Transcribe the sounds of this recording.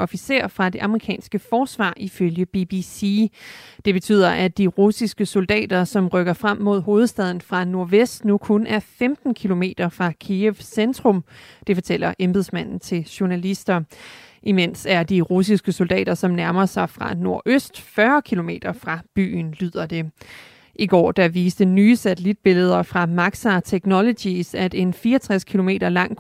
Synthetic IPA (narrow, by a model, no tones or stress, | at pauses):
ʔɒ̽fise̝ɐ̰fʁɑ̈d̥e̝ʔɑ̈məʁikʰɛ̰ːnsɡ̥əfɒːsʋɑ̰̈ːʔiføljəb̥ibisid̥e̝b̥e̝t͡sʰy̰ð̰ˠɐʔæd̥iʁusisɡ̥əso̝ld̥ɛ̰ːd̥ɐsɒ̽mʁœɡ̥ɐfʁam̰ːo̝ð̞ˠho̝ːð̞̩ˠsd̥ɛð̞ˠn̩fʁɑ̈no̝ɐʋesd̥nukʰonʔæɐfemd̥n̩kʰilo̝me̝̰ːd̥ɐfʁɑ̈kʰieʋsend̥ʁɔ̽md̥e̝fɒ̽t͡sʰel̰ɐʔemb̥eðˠsmæn̰n̩t͡sʰe̝lɕonælisd̥ɐʔimen̰sæɐd̥iʁusisɡ̥əso̝ld̥ɛ̰ːd̥ɐsɒ̽mnæɐmɐsɑ̈ɪfʁɑ̈no̝ɐ̰ʔøsd̥fɶɐkʰilo̝me̝̰ːd̥ɐfʁɑ̈b̥y̰ːn̩lyð̞̰ˠɐd̥e̝ | ʔiɡ̥ɒ̰ːd̥ɑ̈ʋiːsd̥ənyːəsæt͡sʰelid̥̚b̥e̝ləð̞̩ˠɐfʁɑ̈mɑ̈ɡ̥sɑt͡sʰeɡ̥nɒlod̥isæd̥e̝nfiːɐt͡sʰʁaskʰilo̝me̝̰ːd̥ɐlɑ̈ŋ̰̥